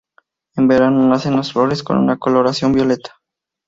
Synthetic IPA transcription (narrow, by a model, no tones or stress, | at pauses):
e̞mbe̞ɾanonase̞nlasflo̞ɾe̞skonṵnako̞lo̞ɾasjo̞mbjo̞le̞t̪ḁ